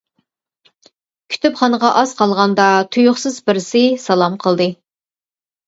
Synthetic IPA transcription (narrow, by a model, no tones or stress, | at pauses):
kʲʰy̥t̪ʰypχɑnəʁɑʔɑzqʰɑlˠʁɑnd̪ɑt̪ʰujʊχsɨzbɪɾɪsɪsɑlˠɑmqʰəlˠd̪ɨ